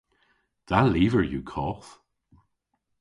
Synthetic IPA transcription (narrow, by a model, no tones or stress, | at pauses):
d̪̥aliːvəɹjuːkʰɔːθ